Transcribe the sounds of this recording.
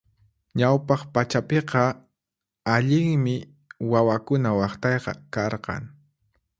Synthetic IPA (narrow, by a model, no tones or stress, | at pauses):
ɲawpɑχpat͡ʃapeqɑ | aʎɪŋmɪ | wawakʊnawɑχt̪ɑjqɑ̰kɑɾqɑ̰ŋ